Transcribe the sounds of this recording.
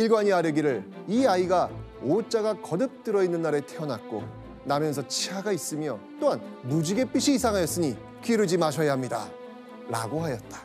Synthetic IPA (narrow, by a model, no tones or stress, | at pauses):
iɭɡwaɲiaɾjʌɡiɾɯɾiaiɡaot͡ɕ͈aɡakʌdɯp̚t͈ɯɾʌinːɯnːaɾe̞tʰeʌnak̚k͈o̰ | namjʌns̬ʰʌt͡ɕʰiɦaɡais͈ɯmjʌt͈oɦanːud͡ʑiɡe̞p͈iɕʰiːsʰaŋɦajʌs͈ɯɲi | kɥiɾɯd͡ʑimaɕʰʌjaɦamɲida̰ | ɾa̰ɡoɦajʌt̚t͈ḁ